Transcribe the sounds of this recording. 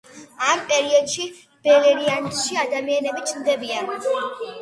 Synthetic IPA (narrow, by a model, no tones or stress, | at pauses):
ampʼɛɾiɔd̪ʃi | b̥ɛlɛɾiant̪ʃiad̪amianɛbit͡ʃʰnd̪ɛbian